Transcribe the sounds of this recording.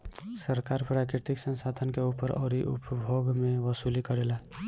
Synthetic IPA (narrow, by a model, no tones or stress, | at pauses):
səɾkaɾpɾakɾɪɾt̪iksə̃nsad̪ʱənkeupəɾɔːɾiʔṵpbʱoɡmẽʋəsulikəɾela